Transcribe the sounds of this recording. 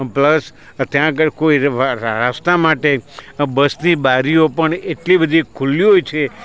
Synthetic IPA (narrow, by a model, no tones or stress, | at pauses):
pləs | t̪jãkəɾkoiɾast̪amaʈebəsnibaɾiopəɳeʈlibəd̪ʱikʰuliɦojt͡ʃʰe